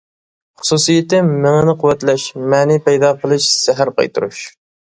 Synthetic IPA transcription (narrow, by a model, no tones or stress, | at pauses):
χʊ̥susijɪt̪ɪmɪŋɪnɪqʊwːɛt̪lɛʃmɛːnipɛjd̪ɑqʰəlˠɨʃsæɦæɾqɑ̰jt̪uɾuʃ